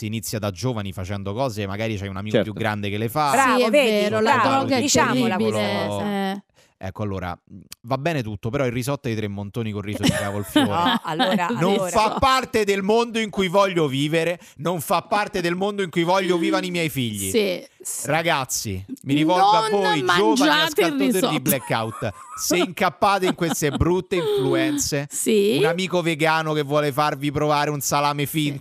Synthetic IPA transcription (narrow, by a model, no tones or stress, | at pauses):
sinit̪sːjad̪ad͡ʒoːvanifat͡ʃɛnd̪okɔːzemːa̰ɡaːɾit͡ʃajunamiːkt͡ʃpjuɡɡːɾand̪ekelːefaiɛeːɾolad̪ɾɔɡaɛit̪ːaibie | ɛ̰kːoalːoːɾa̰vabːɛːnet̪ut̪ːopeɾɔilrːizɔt̪ːait̪ɾemːont̪oːnikoriːsoikavolfjoːɾalːoɾanonffappːart̪ed̪elmond̪oiŋkujvɔʎːoviːveɾe | noɱfapːart̪ed̪elmond̪oiŋkujvɔʎːoviːvanimjɛjfiʎːḭ | raɡat̪sːḭmiɾivɔlaɔjd͡ʒovd͡ʒaneaskalt̪ːot̪oid̪iblekːa̰wt̪seiŋkapːaːt̪oiŋkwest̪ebɾut̪ːeiɱfluɛnt̪sesiunamiːkoveɡaːnokevːwɔːlefarvipɾovaːɾeunsalaːmefin